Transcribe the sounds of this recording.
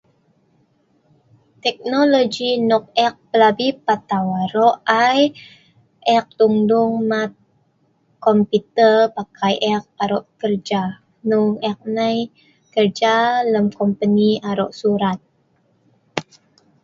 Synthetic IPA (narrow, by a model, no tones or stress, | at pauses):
t̪ɛk̚nolod͡ʒinɔk̚ɛk̚pəlabipat̪awaɾɔʔaj | ʔɛk̚t̪uŋduŋmat̚ | kɔmput̪ərpakʰajʔɛk̚aɾɔʔkərd͡ʒa | nuŋɛk̚naj | kərd͡ʒaləmkɔmpəniaɾɔʔsuɾat̪̚